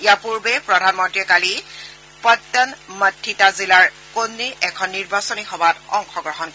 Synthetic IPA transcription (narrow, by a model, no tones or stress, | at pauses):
ijapuɹbɛpɹɔdʱanmɔntɹiɛkali | pɔtːanmətʰːitazilaɹ | konːiʔɛkʰɔnːiɹbasɔnixɔbatɔŋxɔɡɹɔɦɔnkɔ